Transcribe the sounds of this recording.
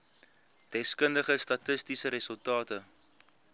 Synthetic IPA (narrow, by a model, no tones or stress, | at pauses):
d̥ɛskəndəχəstɐtəstisəɾəsəlˠtɑːtə